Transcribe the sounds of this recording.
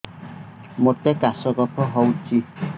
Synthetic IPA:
mot̪ɛkasɔkɔpʰɔɦɔwt͡ʃi

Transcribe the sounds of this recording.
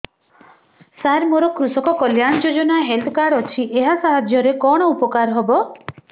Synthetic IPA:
saɾmoɾɔkɾusɔkɔkɔljaɽ̃ɔd͡ʒod͡ʒɔnaɦelt̪ʰɔkaɽɔt͡ʃʰiʔeɦasaɦad͡ʒʱjɔɾekɔɽ̃ɔupɔkaɾɦɔbɔ

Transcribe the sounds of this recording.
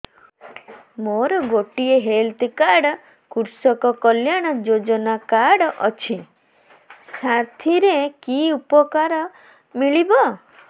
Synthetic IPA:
moɾɔɡoʈieɦelt̪kaɾɽ | kuɾsɔkɔkɔljaɽ̃ɔd͡ʒod͡ʒɔnakaɽɔʔɔt͡ʃʰi | saɾt̪ʰiɾekiupɔkaɾɔ | miɭibɔ

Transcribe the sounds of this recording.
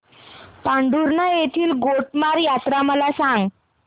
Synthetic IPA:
paɳɖuɾnajet̪ʰiːlɡoʈmaɾjat̪ɾaməlasãŋɡ

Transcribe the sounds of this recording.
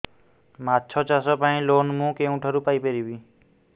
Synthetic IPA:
matːt͡ʃʰɔt͡ʃasɔpaĩlonmũkeũʈʰəɾupaipeɾibi

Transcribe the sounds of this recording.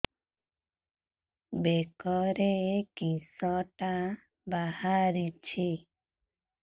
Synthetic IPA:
bekɔɾekĩsɔʈa | bahaɾit͡ʃʰi

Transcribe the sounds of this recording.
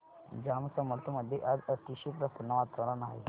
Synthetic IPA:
d͡ʑamsəməɾt̪ʰuməd̪ʱːjeʔad͡zət̪iɕipɾəsənːəʋat̪əɾənaɦḛ

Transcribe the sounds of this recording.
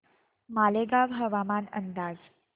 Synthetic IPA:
maleɡabʱəʋamanə̰nd̪aːd͡z

